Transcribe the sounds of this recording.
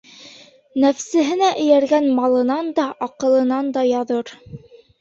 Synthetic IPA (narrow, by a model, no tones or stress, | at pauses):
næfsɘ̆ɦɘ̆næʔɘ̆jæɾɡænmɑlˠɤ̆nɑnd̪ɑʔɑqɤ̆lˠɤ̆nɑnd̪ɑjɑðɤɾ